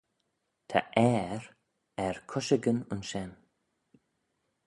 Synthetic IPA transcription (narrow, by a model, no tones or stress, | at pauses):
t̪ʰa̰ʔɛɹ | ɛɹkʰʊʃəɡənʊnʃɛn